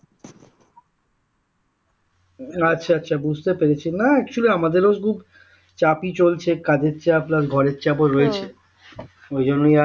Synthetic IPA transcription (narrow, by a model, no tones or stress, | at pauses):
atːɕʰaatːɕʰabud͡ʑʱt̪epeɾet͡ɕʰinaɛkʃʰoleamad̪eɾoskʰub | t͡ɕapit͡ɕolt͡ɕʰekad̪ett͡ɕaplasɡʱɔɾetːt͡ɕaboɾːoet͡ɕʰe | ojd͡ʑonːoja